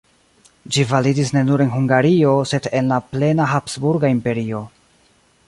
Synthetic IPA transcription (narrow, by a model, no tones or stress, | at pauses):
d͡ʒivalidis̬ne̞nuɾe̞nɦuŋɡaɾio̞se̞de̞nlaple̞naɦapsbuɾɡaimpe̞ɾio̞